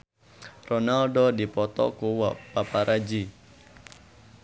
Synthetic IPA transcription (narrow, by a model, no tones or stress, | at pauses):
rɔnalɖɔdipɔt̪ɔ̰kuwɔʔpapaɾad͡ʒi